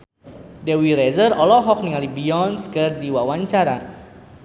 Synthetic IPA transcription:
dɛwiɾɛzərɔlɔɦɔk̚niŋalibiɔnskɨrdiwawaɲt͡ʃaɾa

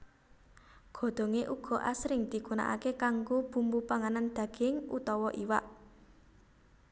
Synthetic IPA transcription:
ɡ̥ɔ̤d̪̥o̤ŋeʔuɡ̥ɔ̤ʔasɾɪŋd̪̥i̤kuna̰ʔa̰kekaŋɡub̥ṳmbupaŋanand̪̥ä̤ɡ̥ɪŋṵt̪ɔwɔʔiwa̰ʔ

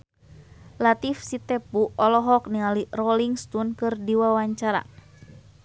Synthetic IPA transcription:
lat̪ifsit̪ɛpuɔlɔɦɔk̚niŋalirɔliŋst̪unkɨrdiwawaɲt͡ʃaɾa̰

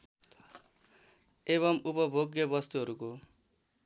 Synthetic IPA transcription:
eβʌmupʌbʱoɡjʌbʌst̪uɦʌɾuko

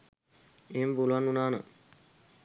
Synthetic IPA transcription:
eːempuluʋanːunaːnə̰

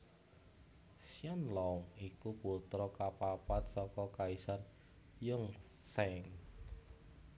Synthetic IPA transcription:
sianlɔʊŋikuput̪ɾɔkapapat̪̚sɔkɔkaisan | jʊŋsɛŋ

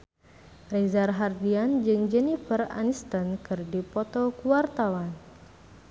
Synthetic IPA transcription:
rezarɦardiand͡ʒɨŋd͡ʒɛnifəra̰nist̪ənkɨrdipɔt̪ɔkuwart̪awan

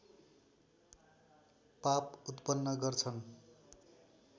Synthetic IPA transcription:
paput̪pʌnːʌɡʌrt͡sʰʌn

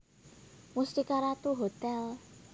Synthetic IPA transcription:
must̪ikaɾat̪uɦot̪ɛl

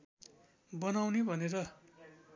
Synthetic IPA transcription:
bʌnawnibʱʌneɾʌ

